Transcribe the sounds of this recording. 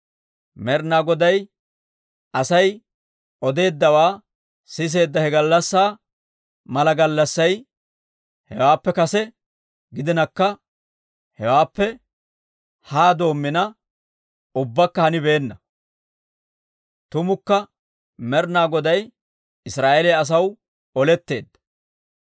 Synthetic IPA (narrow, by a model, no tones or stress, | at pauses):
mɛɾnaːɡɔd̪ɐj | ɐsɐj | ʔɔd̪e̞ːd̪ːɐwaː | sɪs̬e̞ːd̪ːɐhɛɡɐlːɐsːaː | mɐlɐɡɐlːɐsːɐj | hɛwaːpːɛkɐsɛ | ɡɪd̪ɪnɐkːɐ | hɛwaːpːɛ | haːd̪o̞ːmːɪnɐ | ʊbːɐkːɐhɐnɪbe̞ːnːɐ | t̪ʊmʊkːɐ | mɛɾnaːɡɔd̪ɐj | ɪsɾaːʔeleɐs̬ɐw | ɔlɛt̪ːe̞ːd̪ːɐ